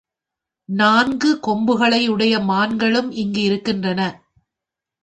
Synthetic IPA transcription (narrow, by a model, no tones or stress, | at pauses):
naːnɡɯkɔmbɯɣɐɭɐɪɯɽɐjɐmaːnɡɐɭɯmɪŋɡɯɪɾɯkːɪndrɐnɐ